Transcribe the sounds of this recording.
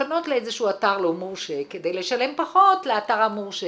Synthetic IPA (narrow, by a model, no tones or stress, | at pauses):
ano̞tleezeʃuataʁlomuʃeked̪e̞jleʃale̞mpaχo̞tleataʁhamuʃe